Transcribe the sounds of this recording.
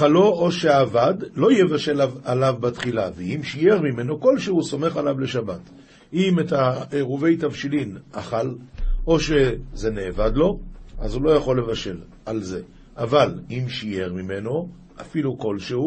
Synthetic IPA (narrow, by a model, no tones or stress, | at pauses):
alo̞oʃe̞avad̪lo̞jevaʃe̞lavalavbatχilaveimʃije̞ʁmime̞no̞ko̞lʃehuso̞me̞χalavle̞ʃabat | imetaeʁuve̞jt̪avʃilinaχalo̞ʃe̞ze̞neːvad̪lo̞azulo̞jaχo̞lːe̞vaʃe̞l | alze̞ | ʔavalimʃije̞ʁmime̞no̞ | ʔafiluko̞lʃehu